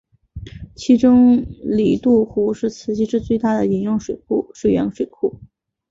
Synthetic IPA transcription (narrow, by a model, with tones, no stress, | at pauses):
t͡ɕʰi˧˥ʈ͡ʂʊ˥ŋli˨˩t̪u˥˩xu˧˥ʂɻ̩˥˩t͡sʰɹ̩˧˥t͡ɕi˥ʈ͡ʂɻ̩˥˧t͡swe˥˧ɪt̪a˥˩d̪ə˩i˧˥njʊ˥˩ŋʂwe˨˩ɪkʰu˥˩ʂwe˥˩ɥɛ̰˧˥nʂwe˨˩ɪkʰu˥˩